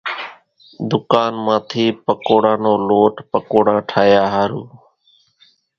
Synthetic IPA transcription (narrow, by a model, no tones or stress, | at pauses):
d̪ʊkaːnmãːt̪ʰiːpəkoːɽãːnoːloːʈpəkoːɽãːʈʰaːjaːɦaːɾuː